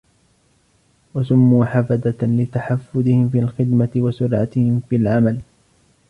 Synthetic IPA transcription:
wasʊmːuːħafad̪alɪt̪aħafːʊd̪ɪhɪmfiːalxɪd̪mat̪ɪwasʊɾʕa̰t̪ɪhɪmfiːalʕamal

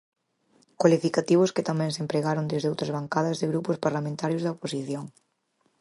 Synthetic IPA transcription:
kwalifikat̪iβʊskɪt̪amɛ̃ŋsempɾeɣaɾõnd̪ezðowt̪ɾɐzβaŋkaðɐzðɪɣɾupʊspaɾlamẽnt̪aɾjʊzðɐoposiθjoŋ

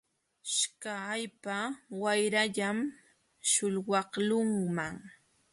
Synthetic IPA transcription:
ʃkaːjpawajɾaʎam | ʃʊlwɑχlʊŋmaŋ

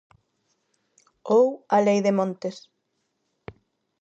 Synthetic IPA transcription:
owalejðemõnt̪es

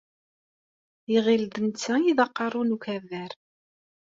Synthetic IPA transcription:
iʁild̪ənt͡sːæjiðɑqːɑrˤunukævæɾ

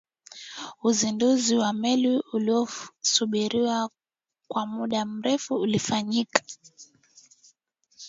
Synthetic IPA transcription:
uzinduziwamɛliuliɔsuɓiɾiwa | kwamuɗam̩ɾɛfuːlifaɲikḁ

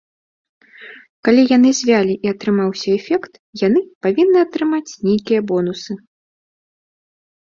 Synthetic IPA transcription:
kalʲijan̪ɨzʲvʲalʲiʔiɐt̪ɾɨmawsʲɐɛfʲɛkt̪ | janɨpavʲinːɨɐt̪ɾɨmat͡sʲnʲejkʲijɐbɔnusɨ

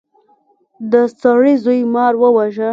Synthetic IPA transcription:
d̪ət͡saɽizujmɑɾwəwaʒə

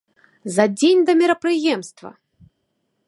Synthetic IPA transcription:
zɐd͡zʲenʲd̪ɐmʲɛɾɐpɾɨjɛmst̪vɐ̰

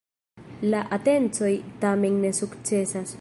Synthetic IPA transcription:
laʔate̞nt͡so̞jtamenːe̞sukt͡se̞sas

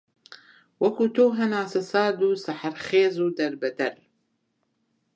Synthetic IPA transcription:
wɐkuːt̪oːɦɐnaːsɐsaːd̪uːsɐħɐɾχeːzuːd̪ɐɾbɐd̪ɐɾ

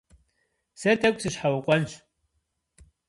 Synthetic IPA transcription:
sɐtʰʼɐkʷʼsɨɕħawqʷʼɔnɕ

